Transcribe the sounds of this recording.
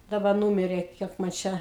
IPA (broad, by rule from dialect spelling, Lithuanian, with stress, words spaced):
dɐˈbɐ ˈnuːmʲɪrʲeː ˈkʲiɛk mɐn ˈt͡ʃʲɛ